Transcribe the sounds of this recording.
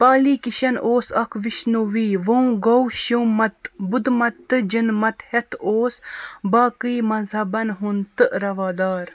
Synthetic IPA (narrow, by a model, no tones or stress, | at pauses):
paːliːkiʃɐnʔoːsɐkʰʋiʃnoʋiːʋɐũɡɐwʃumɐt̪bud̪mɐt̪ːɨd͡ʒɐnmɐt̪het̪ʰoːsbaːkiːmɐzɦɐbɐnɦunt̪ɨɾɐʋaːd̪aːɾ